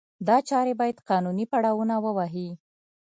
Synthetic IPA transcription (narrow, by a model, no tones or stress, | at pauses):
d̪ɑt͡ʃɑɾebɑjad̪qɑnunipaɽɑwunawəwaɦi